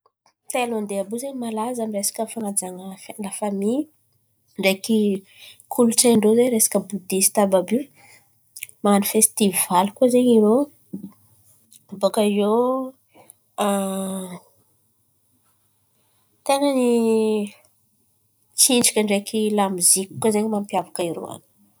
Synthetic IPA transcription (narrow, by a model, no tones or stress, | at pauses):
t̪eloand̪eabuzeɲmalazamiresḁkʲəfanad͡zaŋaflafami | ɳɖ͡ʐeki | kʰuluʈ͡ʂaɳɖ͡ʐozeɾesḁkəbud̪isi̥t̪ababi | manifest̪ivvalikuəzeɲiɾo | bokaijo | a | t̪eŋəni | t͡siɳɖ͡ʐi̥kʲəɳɖ͡ʐekilamiziku̥kːazeɲmampjavakaiɾo̰a̰ni̥